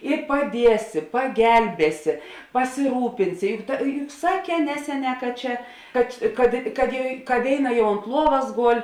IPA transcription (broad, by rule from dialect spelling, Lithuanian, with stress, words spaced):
ɪ pɐˈdʲiɛsʲɪ pɐˈɡʲɛlʲbʲeːsʲɪ pɐsʲɪˈruːpʲɪnʲsʲɪ ˈjʊk tɐ jʊ jʊk ˈsɑːˌkʲɛː ˈnʲæːsʲɛˌnʲɛː kɐ ˈt͡ʃʲɛ kɐt kɐt kɐt jɛ kɐ ˈʋʲeːɪˌnɐ ˈjɛʊ oːnt ˈlˠuɔʋɐs ˈɡoːlʲ